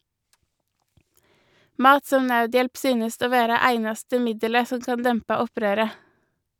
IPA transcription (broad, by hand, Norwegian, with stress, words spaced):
ˈmɑːt ˈsɔm ˈnɑʉˌdjɛlp ˈsyːnəst ˈoː ˈʋeːɾɑ ˈæɪnɑstə ˈmɪdələ ˈsɔm ˈkɑn ˈdɛmpɑ ˈɔˌpɾøːɾə